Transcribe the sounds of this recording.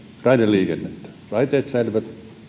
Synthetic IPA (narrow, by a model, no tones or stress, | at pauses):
rɑineliːkenːet̪ːæ̥ | rɑit̪eːt̪sælʋæt̪